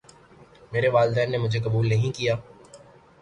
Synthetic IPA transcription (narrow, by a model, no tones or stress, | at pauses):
meːɾeʋaːld̪ɛːnːemʊd͡ʒʱekɐbuːlnɐɦĩkijaː